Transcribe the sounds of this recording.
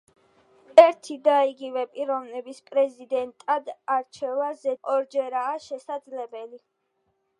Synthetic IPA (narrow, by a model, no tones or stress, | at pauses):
ɛɾt̪ʰid̪aiɡivɛpʼiɾɔvnɛbispʼɾɛzid̪ɛnt̪ʼad̪aɾt͡ʃʰɛvazɛɔɾd͡ʒɛɾaːʃɛsad̪zlɛbɛli